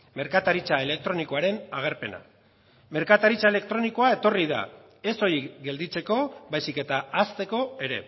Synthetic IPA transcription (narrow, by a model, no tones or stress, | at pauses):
me̞ɾkat̪aɾit͡sae̞le̞k̚t̪ɾo̞niko̞aɾe̞naɣ̞e̞ɾpe̞na̰ | me̞ɾkat̪aɾit͡sae̞le̞kt̪ɾo̞niko̞ae̞t̪o̞riða̰ | e̞so̞ɾiɡe̞ld̪it͡se̞ko̞βajsike̞t̪aast̪e̞ko̞e̞ɾe̞̰